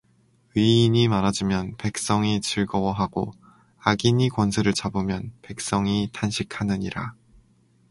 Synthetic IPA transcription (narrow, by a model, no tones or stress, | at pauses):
iːɲimaɾad͡ʑimjʌnpe̞k̚s͈ʌŋit͡ɕɯɭɡʌwʌɦaɡo | aɡiɲikwʌnsʰɯɾɯɭt͡ɕabɯmjʌnpe̞k̚s͈ʌŋitʰanɕʰikʰanɯɲiɾa